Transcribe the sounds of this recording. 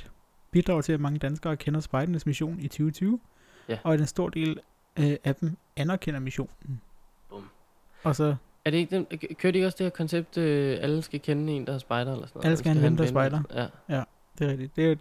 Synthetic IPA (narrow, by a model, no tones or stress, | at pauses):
b̥id̥ʁɑ̈ʊt͡sʰe̝læmɑ̈ŋəd̥ænsɡ̥ɐːkʰenɐsb̥ɑ̈ɪdɐnəsmiɕo̝̰ːnit͡sʰyːʊt͡sʰyːʊ | ɒ̽æd̥ensd̥o̝ɐ̰d̥e̝̰ːl | æd̥em | ænɐkʰen̰ɐmiɕo̝̰ːnn̩ | b̥m | ɒ̽sɒ̽ | æɐɾe̝eɡ̥̚d̥ekʰøɐɾeɡ̥ɒ̽sd̥eeɐkʰɒ̽nseb̥̚d̥øæləsɡ̥ækʰenəe̝̰ːnd̥ɑsb̥ɑ̈ɪd̥ɐelɐsɔn̰ːʔæləsɡ̥æhænʋemnd̥ɑsbɑ̈ɪd̥ɐjæ | d̥e̝ɐʁɛɡ̥̚d̥id̥d̥e̝æ